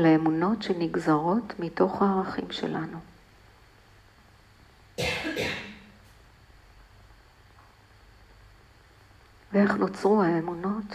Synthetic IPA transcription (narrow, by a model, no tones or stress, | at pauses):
laemuno̞tʃeniɡzaʁo̞tmito̞χhaːʁaχimʃḛlanu | vee̞χnot͡sʁuhaemuno̞t